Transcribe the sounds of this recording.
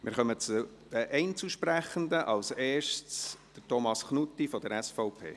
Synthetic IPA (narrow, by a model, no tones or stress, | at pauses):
mʔɪ̰ɾχœmət͡su | d̥əʔɛɪnt͡suʃpræχənd̪əʔɑlseːʃt͡sd̪̥ətɔmɑsχnut̪ːifɔd̥̪əɾɛsfɔʊpʰḛː